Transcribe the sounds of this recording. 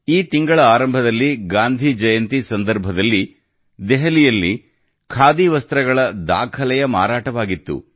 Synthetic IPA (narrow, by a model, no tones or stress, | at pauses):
iːt̪iŋɡɐɭɐaːɾɐmbʱɐd̪ɐlːiɡaːnd̪ʱid͡ʒɐjɐnt̪isɐnd̪ɐɾbʱɐd̪ɐlːi | d̪ɛɦɐlijɐlːi | kʰaːd̪iʋɐst̪ɾɐɡɐɭɐd̪a̰ːkʰɐlɛjɐma̰ːɾaːʈɐʋaːɡit̪ːṵ